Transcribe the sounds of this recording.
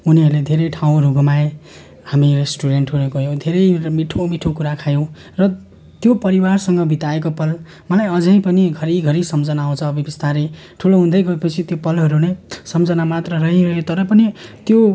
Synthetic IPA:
uniɦʌɾled̪ʱeɾʌjʈʰaw̃ɾuɡʱʌmae | hamiresʈuɾeɳʈɦuleɡʌjõw̃d̪ʱeɾʌjmiʈʰomiʈʰokuɾakʰajõw̃ | rʌ | t̪jopʌɾiwarsʌŋɡʌbʱit̪aekopʌl | mʌlajʌd͡zʌj̃pʌniɡʱʌɾiɡʱʌɾisʌmd͡zʌnaõt͡sʰʌːbʱibʌst̪ʰaɾe | ʈʰuloɦũnd̪ʌjɡʌepʌt͡sʰit̪jopʌlɦʌɾunesʌmd͡zʌnamat̪rʌɾʌɦiɾʌɦjot̪ʌɾʌpʌnit̪jo

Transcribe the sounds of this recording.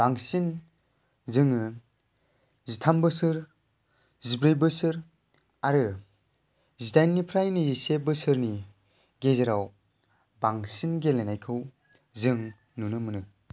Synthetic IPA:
b̥aŋsin | zɯŋɯ | zitʰambɯsɯɾ | zibɾɯjbɯsɯɾ | aɾɯ | zitajnːipʰɾajniisebɯsɯɾni | ɡezeɾaw | baŋsinɡelenajkʰɯw | zɯŋ | nunɯmɯnɯ

